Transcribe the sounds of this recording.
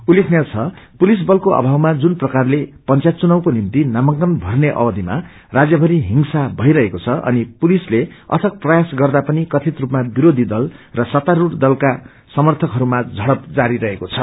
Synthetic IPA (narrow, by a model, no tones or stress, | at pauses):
ulːekʰnat͡sʰʌpulis̬bʌlkoʔʌ̰bʱawmad͡zunprʌkarlepʌnt͡sat̪̚t͡sunawkonimt̪inamʌŋkʌnbʱʌrneʔʌ̰bʌd̪ʱima̰ | rad͡zjʌbʱʌɾiɦiŋsabʱʌiɾʌɦekot͡sʰʌʌ̰nipulisleʌ̰t̪ʰʌk̚prʌjasɡʌrd̪apʌnikʌt̪ʰit̪rupmabiɾod̪ʱid̪ʌlrʌsʌt̪aɾuɽd̪ʌlka | sʌmʌrt̪ʰʌkɦʌɾumad͡zʱʌɽʌp̚d͡zaɾiɾʌɦekot͡sʰʌ